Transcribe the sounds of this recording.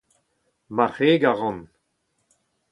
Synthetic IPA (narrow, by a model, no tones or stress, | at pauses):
maʁeːɡaʁɑ̃n